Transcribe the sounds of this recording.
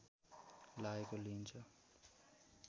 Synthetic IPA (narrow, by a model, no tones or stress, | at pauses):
laːekoliːnt͡ʃʰʌ